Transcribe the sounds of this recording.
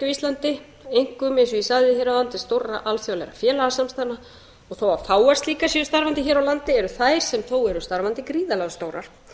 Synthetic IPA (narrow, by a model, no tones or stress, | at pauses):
ʏist̪lant̪ɪ | ejŋ̥kʏmejnsʏisaðɪçeɾalant̪ɪ̥st̪owrːaʔalθjawlɛ̰ɾa̰fjɛːlaɣasamst̪anːa | ɔɣθowafaːwast̪liːkasjɛɾʏst̪aɾvant̪ɪçɛːɾawlant̪ɪɛɾʏθajɾ̥sɛmθowɛɾʏst̪aɾvant̪ɪkɾiːðalɛɣast̪owɾa̰ɾ̥